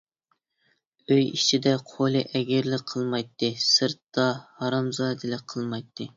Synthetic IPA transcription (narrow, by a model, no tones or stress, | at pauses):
øjit͡ʃʰid̪ɛqʰolˠɨʔɛɡʲɪɾlɪqʰəlˠmɑjt̪ʰːɨsɨɾt̪ːɑhɑɾɑmzɑd̪ɨlɪqʰəlˠmɑjt̪ʰːɨ